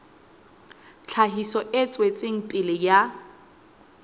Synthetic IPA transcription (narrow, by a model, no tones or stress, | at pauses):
t͡ɬʰaɦisɔʔɪt͡sʼwet͡sʼeŋ̩pʼɪlɪja